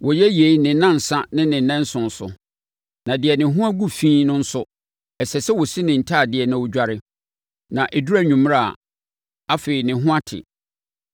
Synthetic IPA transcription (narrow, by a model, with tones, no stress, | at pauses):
wɔ˨jɛ˦je˨˦i˦nɪ̃˨˦nã˦n̩˨sã˦nɪ̃˦nɪ̃˨nɛ̃˦n̩˦sʊ̃˨n̩˨sʊ̰˨ | nã˨dɪ˨ɛ˨nɪ̃˨ɦʊ̃˦a˦ɡu˦fĩː˦nʊ̃˦n̩˦sʊ˦ | ɛ˨sɛ˨sɛ˦wɔ˨si˦nɪ̃˨n̩˨tʰaː˦˨dɪ˨ɛ˨nã˨wʊ˦d͡ʑᶣa˦ɾɪ˦ | nã˨ʔɛ˨du˦ɾæ˦˨ɲᶣũ˨m˦a˦˨ | a˦feː˨i˨nɪ̃˨ɦʊ̃˦a˦tʰɪ̰˨